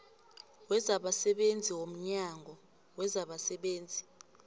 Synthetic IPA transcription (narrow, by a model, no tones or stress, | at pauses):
wɛzaɓasɛɓend͡zʱiwom̩ɲaːŋʱɔ | wɛzaɓasɛɓeːnd͡zʱi